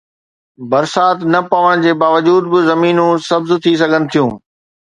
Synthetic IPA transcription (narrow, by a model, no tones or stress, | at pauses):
bɐɾsaːt̪nɐpɐʋəɽ̃d͡ʑeːbaːʋəd͡ʑuːd̪̚bɪzɐmiːnũsɐbzt̪ʰis̬ɐɡʱənɪ̆t̪ʰijũː